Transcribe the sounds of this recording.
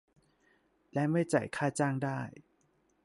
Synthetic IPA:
lɛ˦˥ma˥˩jt͡ɕa̰˨˩jkʰaː˥˩t͡ɕaː˥˩ŋdaː˥˩j

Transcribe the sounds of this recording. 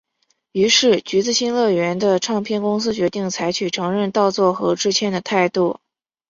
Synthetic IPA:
y˧˥ʂɻ̩˥˩t͡ɕy˧˥t͡sɹ̩˥˧ɕi˥nlɤ˥˩ɥɛ˧˥nd̪ə˧ʈ͡ʂʰɑ˥˩ŋpʰjɛ˥˧nkʊ˥ŋs̬ɹ̩˥t͡ɕɥɛ˧˥t̪i˥˩ŋt͡sʰa˧˥ɪt͡ɕʰy˨˩ʈ͡ʂʰɤ˧˥ŋɻə˥˧nt̪ɑ˥˧ʊt͡swɔ˥˩xɤ˧˥ʈ͡ʂɻ̩˥t͡ɕʰjɛ˥nd̪ə˨t̪ʰa˥˧ɪt̪u˥˩

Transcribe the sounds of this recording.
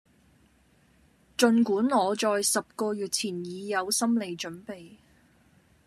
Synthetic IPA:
t͡ʃɵ˧nkuː˨˥nŋɔː˨˧t͡sɔː˨jsɐ˨p̚kɔː˧jyː˨t̚t͡sʰiː˨˩njiː˨˧jɐ˨˧wsɐ˥mle˨jt͡ʃɵ˨˥npe˨j

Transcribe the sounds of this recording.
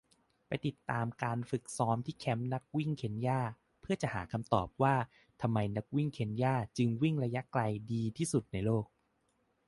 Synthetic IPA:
pa˧jt̪i˨˩t̪ːaː˧mkaː˧nfɯ˨˩k̚sɔː˦˥mt̪ʰiː˥˩kʰɛ˦˥mna˦˥k̚wi˥˩ŋkʰe˧˦njaː˥˩ | pʰɯ˥˩ɐt͡ɕa˨˩ɦaː˩˦kʰa˧mt̪ɔ̰ː˨˩p̚waː˥˩ | t̪ʰa˧mːa˧jna˦˥k̚wi˥˩ŋkʰe˨˧˦njaː˥˩t͡ɕɯ˧ŋwi˥˩ŋɾa˧ja˦˥ʔkla˧jdiː˧t̪ʰiː˥˩su˨˩t̪̚na˧jloː˥˩k̚

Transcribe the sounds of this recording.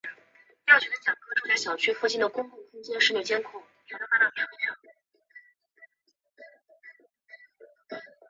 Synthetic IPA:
t̪a˥˩t͡ɕʰɛ˧˥d̪ə˧t͡ɕjɑ˨˩ŋkʰɤ˥ʈ͡ʂu˥˧ɕa˥˩ɕjɑ˨˩ʊt͡ɕʰy˥fu˥˧t͡ɕi˥˩d̪ə˩kʊ˥ŋpu˥˩kʰʊ˥ŋt͡ɕjɛ˥ʂɻ̩˥˧mjɛ˥˩t͡ɕjɛ˥nkʰʊ˥˩ | ja˨˧˥no˥fa˥t̪ɑ˥˩t͡ɕʰa˨˧˥lɑ˥˩ŋ˥

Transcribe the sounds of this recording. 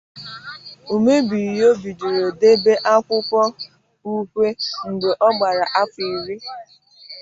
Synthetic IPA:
u˨me˦bi˨jo˦bi˨d͡ʒu˨ɾo˨de˦be˦ʔa˦kʷʊ˦pɔ˦ | u˦kʷe˦ŋ̩˨ɡ͡be˨ʔɔ˦ɡ͡ba˨ɾa˨ʔa˦pi˨ɾi˦

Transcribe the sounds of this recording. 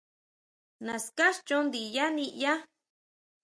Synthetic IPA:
nã˨ska˦ʃt͡ʃõ˦nd̪i˨ja˦nĩ˧ja˦

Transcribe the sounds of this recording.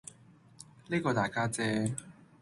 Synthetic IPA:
liː˥kɔː˧t̪aː˨˩jkaː˥t͡sɛː˥

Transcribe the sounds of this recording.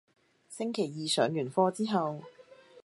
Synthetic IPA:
sɪ˥ŋkʰe˨˩jːiː˨sœː˨˥ŋjyː˨˩nfɔː˧t͡siː˥ɦɐ˨w

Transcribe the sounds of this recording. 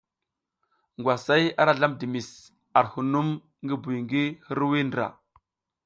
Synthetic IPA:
ŋɡwa˨sa˦ja̰˦ɾa˨ɮa˦mdi˨mi˨s | a˨ɾhu˨nu˦m | ŋɡi˦bu˨jŋɡi˦hi˦ɾwi˦n˨ɾa̰˨

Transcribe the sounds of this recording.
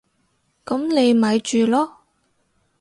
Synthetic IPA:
kɐ˨˥mne˨˧jmaː˨˧˥jt͡ʃyː˨lɔː˥

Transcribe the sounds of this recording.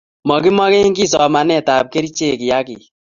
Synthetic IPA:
mɔ˨kɪ˦mɔ˦kɛ˦ŋɡi˦sɔ˨ma˨nɛ˦˨ta˨p̚ke˦ɾi˦t͡ʃe˦˨kɪ˨ja˦kɪ˨

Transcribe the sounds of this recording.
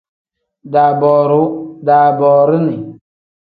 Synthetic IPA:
da˨bɔː˨ɾu˨˦da˨bɔː˨ɾi˦ni˨

